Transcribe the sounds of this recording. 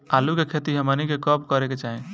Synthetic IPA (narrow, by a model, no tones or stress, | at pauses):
alukekʰet̪iɦəmənikekɔp̚kəɾeket͡ʃaɦĩ